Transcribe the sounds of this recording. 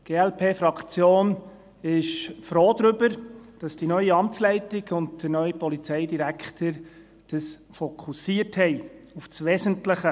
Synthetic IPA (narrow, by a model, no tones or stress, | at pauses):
ɡ̥eːɛlpʰeːfɾɑkt͡sjoːn | ɪʃfɾoːd̪ɾʏbəɾd̥ɑsd̥inœʏiɑmt͡slɛɪtɪɡʊndd̥əɾnœʏipɔlit͡sɛɪdiɾækχtʰəɾ | d̥əs | fɔkʰusiəthɛɪ | ufsʋɛsəntləχə